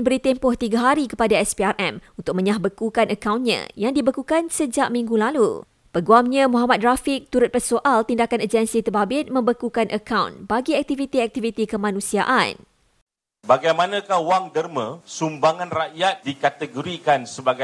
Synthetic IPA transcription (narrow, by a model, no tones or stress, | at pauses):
nbəɾit̪ɛmpʊht̪iɡaɦaɾikəpadaɛsbiarʔɛmunt̪ʊk̚mə̃ɲahbəkukanəkawnɲã̰jaŋdibəkukansəd͡ʒaʔmĩŋɡulalṵ | pəɡuamɲãmuɦamat̪̚dɾafɪk̚t̪uɾʊt̪̚pɛrsoʔalt̪indakanad͡ʒɛnsit̪əbabɪt̪̚mə̃mbəkukanʔəkawnbaɡiɛk̚t̪ivit̪iɛk̚t̪ivit̪ikəmãnũsia̰ʔa̰n | baɡajmãnãkahwaŋdərmə̃sumbaŋãnraʔjat̪̚dikat̪əɡoɾikansəbaɡa